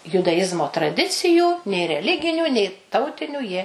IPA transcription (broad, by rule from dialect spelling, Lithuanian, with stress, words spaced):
jʊdɐˈjɪzmoː trɐˈdʲɪt͡sʲɪjuː nʲeː rʲɛˈlʲɪɡʲɪnʲuː nʲɛɪ ˈtɐʊtʲɪnʲuː jiɛ